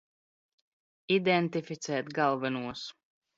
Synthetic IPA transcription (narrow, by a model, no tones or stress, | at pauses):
id̪ɛnt̪ifit̪sɛːt̪ɡalˠvɛnuɔs